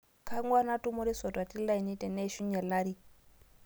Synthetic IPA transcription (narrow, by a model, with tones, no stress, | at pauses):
kʰa˦ŋɡwa˦na˦tʼu˦mo˦ɾi˦sɔ˨dwa˨ti˦la˦i˨ni˦tɛ˨nɛ˦ʃu˦ɲɛ˨la˦ɾi˦